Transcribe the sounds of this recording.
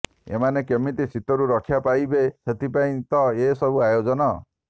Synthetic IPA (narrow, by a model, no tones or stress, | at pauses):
ḛmanekemit̪isit̪ɔɾuɾɔkʰjapajbeset̪ʰipaĩt̪ɔesɔbuajod͡ʒɔnɔ